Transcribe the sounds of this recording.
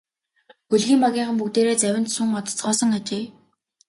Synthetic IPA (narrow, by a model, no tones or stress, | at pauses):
xuɮɣiːmpaɣʲiːɴχə̆mpukt̪eːɾeːt͡sæwʲɪ̆nt̪suŋɔt̪ɞ̥̆t͡sɢɔːsɞ̆ŋat͡ɕeː